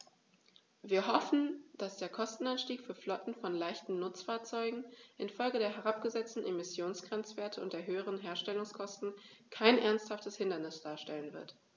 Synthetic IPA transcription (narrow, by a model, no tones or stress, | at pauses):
viːɐɦɔfn̩d̥asd̥eːɐkʰɔstn̩anʃtiːkfyːɐflɔtn̩fɔnlaɪçtn̩nʊt͡sfaːɐt͡sɔʏɡŋ̩ʔɪnfɔlɡədeːɐɦɛʁ̞apɡ̥əzɛt͡stn̩ʔemɪsjoːnsɡ̥ʁɛnt͡sv̥eːɐtʰəʊntd̥eːɐɦøːəʁ̞ənɦeːɐʃtɛlʊŋskʰɔstn̩kʰaɪnʔɛɐnsthaftəshɪndɐnɪsd̥aːɐʃtɛlənvɪɐt